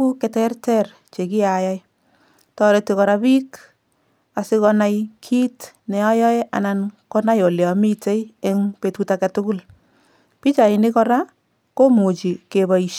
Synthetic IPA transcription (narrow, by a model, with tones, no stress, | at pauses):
u˦kɛ˨tɛ˦rtɛ˦r | t͡ʃe˨ki˦aja˦j | tɔ˦ɾe˨tikɔ˨ɾa˧bi˦k | a˨sɪ˦kɔ˧na˦jkʰi˦tnɛ˨a˦jɔ˦e˦ʔa̰˨na˨nkɔ˦na˦jɔ˨ljɔ˨mi˦te˦je˦ŋpe˨tuta˨katʊ˦kʊ˦l | pi˦t͡ʃa˨ɪ˨ni˦kɔ˦ɾa˦ | ko˦mu˨t͡ʃi˨ke˨ba˨iʃ